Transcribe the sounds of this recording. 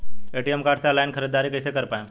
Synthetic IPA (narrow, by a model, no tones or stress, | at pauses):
eʈijemkaːʈselaːɪnkʰəɾid̪ːaːɾikəɪsekəɾpaːẽ